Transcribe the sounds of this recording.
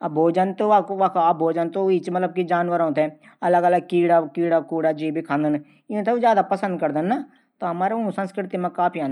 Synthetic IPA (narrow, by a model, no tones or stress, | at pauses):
bʱoːd͡ʒənt̪okːkːbʱoːd͡ʒənt̪oit͡ʃmət̪ləb̚kid͡ʒaːnʋəɾɔ̃ːt̪ɛː | ələɡələɡ̚kiːɽakiːɽakuːɽaːd͡ʒiːbʱikʰãːnd̪ən | ɪ̃t̪ʰed͡ʒjaːd̪apəsə̃nd̪̚kəɾd̪ənːaː | t̪oɦɐmaːɾeũsə̃nskɾɪt̪imẽkaːpʰiãːn